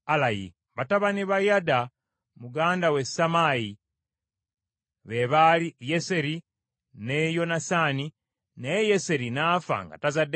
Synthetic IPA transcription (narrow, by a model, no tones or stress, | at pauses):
alajḭ | βataβaniβajada | muɡaːndawe̞samaji | βe̞βalijese̞ɾi | nejo̞nasani | nejese̞ɾinaːfa̰ŋɡa̰tazade